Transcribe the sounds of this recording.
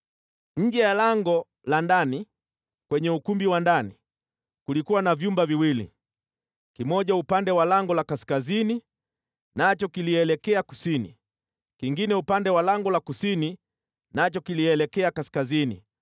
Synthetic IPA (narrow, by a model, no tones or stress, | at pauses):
ɲ̩d͡ʒɛjalaŋɡɔ | landani | kwɛɲɛukumbiwandani | kulikuwanavjumbaviwilḭ | kimɔʄaupandɛwalaŋɡɔlakaskazini | nat͡ʃɔkiliɛlɛkɛaku̥sinḭ | kiŋɡinɛupandɛwalaŋɡɔlakusini | nat͡ʃɔkiliɛlɛkɛakaskazinḭ